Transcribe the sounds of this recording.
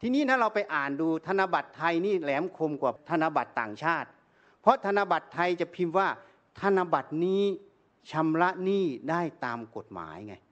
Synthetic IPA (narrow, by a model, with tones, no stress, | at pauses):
t̪ʰiː˧niː˥˩aː˥˩ɾa˧wpa˧jʔaː˨˩nduː˧t̪ʰa˧na˧ba˨˩t̪ʰːa˧jniː˥˩lɛː˩˦mkʰo˧mkwaː˨˩t̪ʰa˧na˧ba˨˩t̪ːaː˨˩ŋt͡ɕʰaː˥˩t̪̚ | pʰɾɔ˦˥t̪ʰa˧na˧ba˨˩t̪ʰːa˧jt͡ɕa˨˩pʰi˧nwaː˥˩ | t̪ʰa˧na˧ba˨˩t̪̚niː˦˥ | t͡ɕʰa˧mɾa˦˥ʔniː˥˩daː˥˩jt̪aː˧mko˨˩t̪̚ma̰ː˩˦jŋa˧j